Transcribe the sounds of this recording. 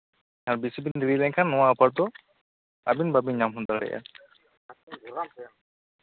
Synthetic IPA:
aɾbisibind̪iɾilɛɲkʰanːɔwapʰaɾt̪ɔ | abinbabiɲamɦund̪aɾɾɛ̰ʔa̰

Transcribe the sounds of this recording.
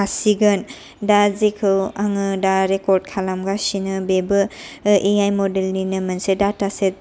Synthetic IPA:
asiɡɐn | dazikʰɯwaŋɯdaɾekɔɾd̚kʰalamɡasinɯbebɯʔeajmɔdelninɯmɯnsedataset̚

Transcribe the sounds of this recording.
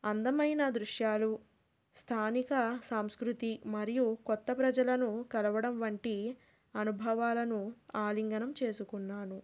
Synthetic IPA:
ɐnd̪ɐmɐjnɐd̪ɾuʂjaːlu | st̪ʰaːnikɐsaːmskɾut̪imɐɾijukɔt̪ːɐpɾɐd͡ʒɐlɐnukɐlɐʋɐɽɐmʋɐɳʈi | ɐnubʱɐʋaːlɐnuaːliŋɡɐnɐmt͡ʃe̞ːsukunːaːnu

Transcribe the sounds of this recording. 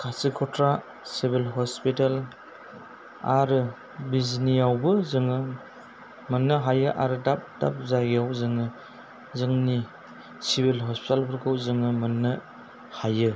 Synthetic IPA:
kʰasikʰɔtɾa | sibilɦɔspital | aɾɯ | bizinijawbɯzɯŋɯ | mɐnːɯɦajɯʔaɾɯdap̚da̰p̚zaɡijawzɯŋɯ | zɯŋni | sibilɦɔspitalbʰɯɾkʰɯwzɯŋɯmɐnːɯ | hajɯ

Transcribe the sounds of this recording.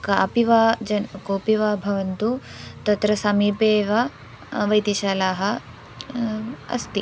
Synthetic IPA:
kaːpiʋaːd͡ʒɐnkoːpiʋaːbʱɐʋɐnt̪ut̪ɐt̪ɾɐsɐmiːpeːʋɐ | ʋɐjt̪iʃaːlaːɦɐ̆ | ɐ̰st̪i

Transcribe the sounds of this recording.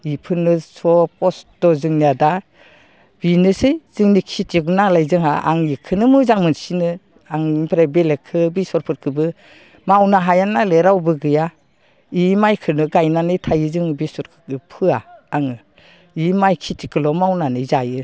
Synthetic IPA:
ipʰɯnɯsɔpɔstɔzɯŋniada | b̥inɯsɯjz̥ɯŋnikʰitʰiɡunalajzɯŋa̰ʔa̰ŋikʰɯnɯmɯzaŋmɯnsinɯ | aŋpɾabelekʰɯbisɔɾpʰɯɾkʰɯbɯ | mawnaɦajanaleɾawbɯɡɯja | imajkʰɯnɯɡajnanɯjtʰajɯzɯŋbisɔɾkʰɯ̥kɯpʰɯa̰ːŋɯ | imajkʰitʰikɯlɔmawnanɯjzajɯ

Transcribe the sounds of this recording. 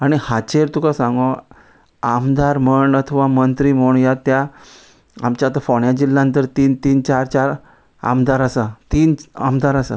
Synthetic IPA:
aɽ̃ihat͡ɕeɾt̪ukasãŋɡo | amd̪aɾməɳɖət̪ʰʋamənt̪ɾiːmoɳjat̪ja | amt͡ɕat̪əfɔɳjad͡ʑilːãnt̪əɾt̪iːnt̪iːnt͡ɕaɾt͡ɕaɾ | a̰md̪aɾəsat̪iːnamd̪ʱaɾəsa̰

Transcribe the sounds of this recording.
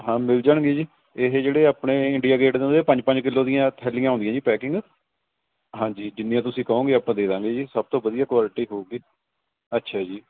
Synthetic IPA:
ɦãːmɪld͡ʒaːɳɡeːd͡ʒiː | ɪɦd͡ʒeːɽeːaːpɽeːɪɳɖijaːɡeːʈd̪ẽnd̪eːpə̃ɲd͡ʒpə̃ɲd͡ʒkɪlːoːd̪ɪjãːt̪ʰɛːlɪ̃jãːɦõnd̪ɪãːd͡ʒiːpɛːkɪ̃ŋɡ | ɦãːd͡ʒiːd͡ʒɪnːĩjãːt̪̬ʊsĩːkəõːɡeːaːpãːd̪eːd̪ãːŋɡeːd͡ʒiːsəb̚t̪õːbəd̪ijaːkwaːlɪʈiːɦoːɡeː | ətːʃʰɛːd͡ʒiː

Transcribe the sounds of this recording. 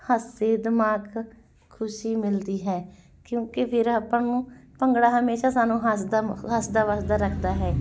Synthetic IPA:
həsːeːd̪ɪmaːɡ | kʰːʊʃiːmɪld̪iːɦɛː | kjõːkepʰɪɾapːãːnũːpəŋɡɽaːɦəmeːʃaːsaːnũːɦəsd̪aɦəsd̪aːʋaːsd̪aːɾəkʰd̪aːɦɛː

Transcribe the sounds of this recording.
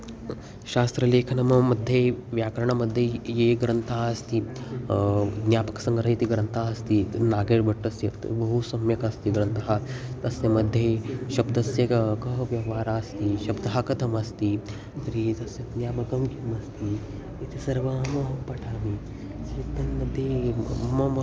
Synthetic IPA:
ʃaːst̪ɾɐleːkʰɐnɐmɐmɐd̪ʱjeʋjaːkɐɾɐɳɐmɐd̪ʱːjɐjeːɡɾɐnt̪aːɐst̪i | d̪njaːpɐksɐ̃ŋɡɐɾɐjit̪iɡɾɐnt̪aːɐst̪inaːɡeːɾbɐʈːɐsjɐt̪bɐɦusɐmjɐkɐst̪iɡɾɐnt̪ɐɦat̪ɐsjɐmɐd̪ʱːjeʃɐbd̪ɐsjɐkkɐɦʋjɐʋaːɾaːst̪iʃɐbd̪ɐɦakɐt̪ʰɐmɐst̪i | t̪ɐɾit̪ɐsjɐd̪njaːmɐkɐmkimɐst̪i | it̪ʰisɐɾʋɐmɐɦɐpɐʈʰaːmi | sit̪ːɐnmɐd̪ʱːjemɐm

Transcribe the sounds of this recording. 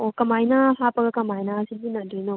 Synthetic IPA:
okɐmajnɐhapɐɡɐkɐmajnɐːsidinɐdɯjno

